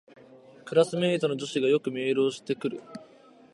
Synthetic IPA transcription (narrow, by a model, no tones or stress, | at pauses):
kɯ̟ɾasɨmeit̪o̞no̞d͡ʑo̞ɕiɡajo̞kɯ̟mʲe̞ːɾo̞ːɕi̥t̪e̞kɯ̟ɾɯ̟